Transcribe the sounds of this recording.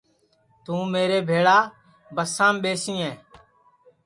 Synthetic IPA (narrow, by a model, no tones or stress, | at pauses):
t̪ũːmeːɾeːbʱeːɽaː | bəsãːmɓeːsĩːɛ̃ː